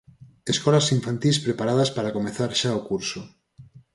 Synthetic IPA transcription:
eskɔlasiɱfãnt̪ispɾepaɾað̞aspaɾakomeθaɾʃaokuɾso

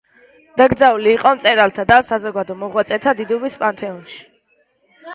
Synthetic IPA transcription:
d̪̥aɡɾd̪zauliːqʼɔmt̪sʼɛɾalt̪ʰad̪asazɔɡad̪ɔmɔʁwat̪sʼɛt̪ʰad̪id̪ɔbispʼant̪ʰɛɔnʃi̥

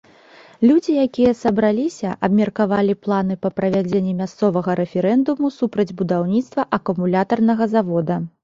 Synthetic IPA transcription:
lʲud͡zʲijakʲijɐsɐbɾalʲisʲɐʔɐbmʲɐrkavalʲiplˠan̪ɨpɐpɾɐvʲad͡zʲenʲːɛmʲast̪sɔvɐɣɐɾɛfʲɛɾɛnd̪umusupɾɐd͡zʲbud̪awnʲit̪st̪vɐʔɐkumulʲat̪ɐrnɐɣɐzavɔd̪ɐ

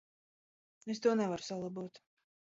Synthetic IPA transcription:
es̬t̪uɔnɛvaɾu̥salˠabut̪

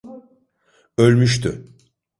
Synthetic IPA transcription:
ølʲmyʃt̪ʰy

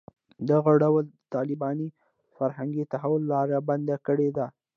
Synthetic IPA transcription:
d̪aɣaɖawəlt̪ɑlɪbɑni | faɾhaŋɡit̪aɦawʊlːɑɾaband̪akəɽed̪a

